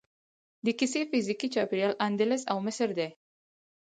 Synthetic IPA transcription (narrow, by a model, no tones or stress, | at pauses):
d̪əkisefizikit͡ʃɑpiɾjɑlʔand̪ɪlɪsawmɪsəɾd̪e